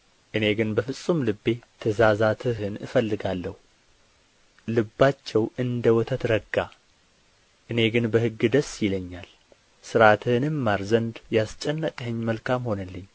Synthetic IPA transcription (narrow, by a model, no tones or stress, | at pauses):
ʔɨne̞ɡɨnbəfɨsʼːumlɨbːe̞t̪ʰəzazat̪ʰɨɦɨnɨfəlːɨɡalːəhu | lɨbːat͡ʃːɛwɨnd̪əwɔt̪ʰət̪ɾəɡa | ʔɨne̞ɡɨnbəhɨɡːɨd̪əsjɪləɲːal | sɨɾat̪ʰɨhɨnɨmːaɾzənd̪jast͡ʃʼɛnːəkʼhəɲːməlkʰamho̞nəlːɨɲː